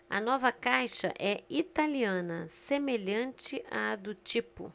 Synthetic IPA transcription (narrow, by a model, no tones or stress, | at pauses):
ɐ̰nɔvɐkajʃɐ̰ʔɛit̪aliɐ̃nɐsemeʎɐ̃nt͡ʃɪʔad̪ʊt͡ʃipʊ̰